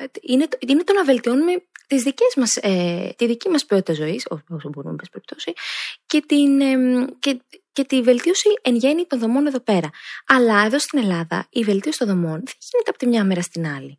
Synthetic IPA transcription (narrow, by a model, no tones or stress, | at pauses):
inet̪ine̞t̪o̞nɐve̞lt̪io̞nume̞t̪izðice̞zmɐset̪iðicimɐspio̞t̪it̪ɐzo̞isoposoboɾumbespeɾip̚t̪o̞sice̞t̪inecece̞t̪ive̞lt̪io̞sienʝe̞nit̪o̞nðo̞mo̞neðo̞pe̞ɾɐɐlɐe̞ðo̞st̪ine̞lɐðɐ̰ive̞lt̪iosi̥t̪nðo̞mo̞nðenʝ̥inet̪eɐpo̞t̪imɲɐmeɾɐst̪inɐli